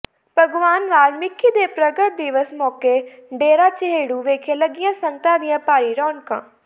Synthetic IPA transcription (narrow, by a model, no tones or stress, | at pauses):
bʱɐɡʋaːnʋaːlmɪkʰːid̪eːpɾɐɡəʈ̚d̪iʋəsmɔːkeɖeːɾat͡ʃɐɦeːɽuʋeːkʰẽlɐɡijãsɐ̃ŋɡ̚t̪ãd̪ijãpaːɾiɾɔːnkã̰ː